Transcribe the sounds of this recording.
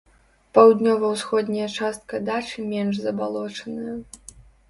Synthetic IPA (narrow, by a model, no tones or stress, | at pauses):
pawd̪nʲɔvɐwsxɔd̪ʲnʲɐjɐt͡ʂast̪̚kɐd̪at͡ʂɨmʲɛnʐzɐbalˠɔt͡ʂɐnɨjɐ